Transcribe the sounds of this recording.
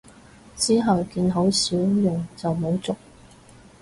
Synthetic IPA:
t͡siː˥ɦɐ˨wkiː˧nɦo˨˥wsiː˨˥wjœː˨˩ŋt͡sɐ˨wmo˨˥wt͡sʊ˨k̚

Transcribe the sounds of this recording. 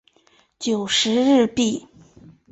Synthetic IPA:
t͡ɕjo˨˩ʊʂɻ̩˧˥ɻɻ̩˥˧pi˥˩

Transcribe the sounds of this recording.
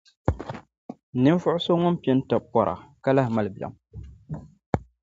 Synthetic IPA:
nɨ˦ɱ˦fʊ˦ʔʊ˦so˦ŋʊ˦n˦pi˦ɛ˦n˦ta˨pɔ˨ɾʔa̰˨ka˦la˦hɪ˨ma˨lbi˨a̰˨m

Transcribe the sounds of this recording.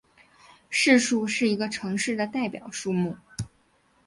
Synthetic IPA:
ʂɻ̩˥˧ʂu˥˧ʂɻ̩˥˩i˧˥ɡə˧ʈ͡ʂʰɤ˧˥ŋʂɻ̩˥˩d̪ə˩t̪a˥˩ɪpjɑ̰˨˩ʊʂu˥˧mu˥˩

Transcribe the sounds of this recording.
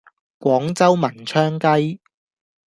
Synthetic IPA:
kʷɔː˨˥ŋt͡sɐ˥wmɐ˨˩nt͡ʃʰœː˥ŋkɐ˥j

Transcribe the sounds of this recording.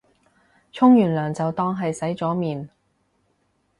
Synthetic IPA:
t͡ʃʰʊ˥ŋjyː˨˩nlœː˨˩ŋt͡sɐ˨wt̪ɔː˥ŋɦɐ˨jsɐ˨˥jt͡sɔː˨˥miː˨n

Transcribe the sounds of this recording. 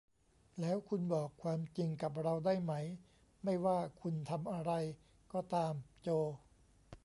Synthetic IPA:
lɛː˦˥wkʰu˧nbɔː˨˩kʰːwaː˧mt͡ɕi˧ŋka˨˩p̬̚ɾa˧wdaː˥˩jma˦˥j | ma˥˩jwaː˥˩kʰu˧nt̪ʰa˧mʔa˧ɾa˧j | kɔː˥˩t̪aː˧mt͡ɕoː˧

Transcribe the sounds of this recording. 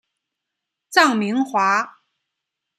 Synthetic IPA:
t͡sɑ˥˩ŋmi˧˥ŋxwa˧˥

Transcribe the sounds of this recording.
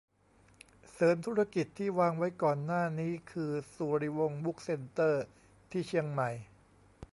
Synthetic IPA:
sɤː˩˦mt̪ʰuː˦˥ɾa˧ki˨˩t̪ʰːiː˥˩waː˧ŋwa˦˥jkɔː˨˩nːaː˥˩niː˦˥kʰɯː˧suː˨˩ɾi˧wo˧ŋbu˦˥k̚se˧nt̪ɤː˥˩ | t̪ʰiː˥˩t͡ɕʰi˧əŋma˨˩j

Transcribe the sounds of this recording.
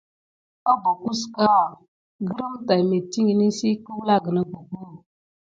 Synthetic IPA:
a˦bo˨ku˦ska˦˨ | ɡə˦ɾə˦mta˨jme˨ti˦ŋi˨ni˦si˦kə˦wla˦ɡə˨na˦bo˨ku˦˨

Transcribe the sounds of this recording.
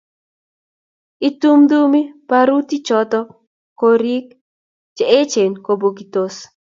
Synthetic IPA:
i˦tu˦md̪u˦mi˦paɾu˦ti˦t͡ʃɔt̪ɔ˦ | koɾi˦k | d͡ʒe˨e˦t͡ʃe˨nko˨bo˨ɡi˨t̪os

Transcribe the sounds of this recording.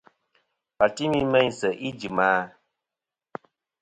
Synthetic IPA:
pa˨ti˦mi˦mɛ˦ɲ˨sə˨ʔi˦d͡ʒi˨maː˦

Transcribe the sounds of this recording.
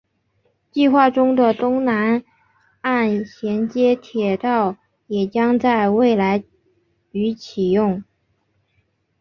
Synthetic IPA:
t͡ɕi˥˧xwa˥˩ʈ͡ʂʊ˥ŋd̪ə˨t̪ʊ˥ŋna˧˥n | a˥˩nɕjɛ˧˥nt͡ɕjɛ˥t̪ʰjɛ˨˩t̪ɑ˥˩ʊ | jɛ˨˩t͡ɕjɑ˥ŋt͡sa˥˧ɪwe˥˩ɪla˧˥ɪ | y˧˥t͡ɕʰi˨˩jʊ˥˩ŋ

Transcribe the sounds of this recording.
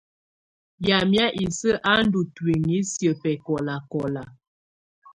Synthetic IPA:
ja˨mja˦ʔi˨sə˦ʔa˦n˦du˨twi˨ŋi˨˦sjə˨pɛ˨kɔ˨la˨kɔ˨la˨

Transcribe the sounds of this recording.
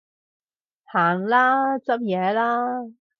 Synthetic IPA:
haː˨˩nlaː˥t͡sɐ˥p̚jɛː˨˧laː˥

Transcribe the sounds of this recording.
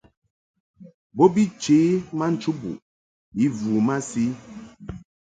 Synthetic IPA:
bo˦bi˦t͡ʃe˨˦ma˦n̩˦t͡ʃu˦bṵ˨ʔ | i˨˦vu˨ma˦si˦

